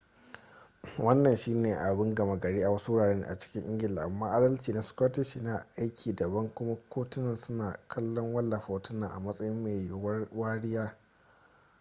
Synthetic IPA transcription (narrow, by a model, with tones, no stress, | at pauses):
wʔɐ˦nːɐ˨nʃiː˦neː˨ʔa˨bɪ˦ŋɡɐ˨ma˦ɡɐ˨ɽeː˦ʔa˨wɐ˦su˦wʊ˦ɽaː˨ɽeː˦n̰˨ʔa̰˨t͡ʃɪ̥˦kʲɪ˦ʔɪ˦ŋɡʲɪ˨laː˨ʔa˨mːaː˦ʔa˦dɐ˦lt͡ʃiː˨na˨skʷɔː˦tɪ˦ʃi˦na˨ʔa˦jkʲʰiː˨dɐ˨bɐ˦ŋkʷʊ˦ma˦kʷʰoː˦tʊ˦nːɐ˦nsʊ˦naː˨kʰɐ˦lːɔ˦ŋwɐ˦lːa˨ɸa˨tʊ˦nːaː˨ʔa̰˨mɐ˦sʼɐ˦jɪ˦mːe˨jjwɐ˦waː˦ɽɪ˦jaː˦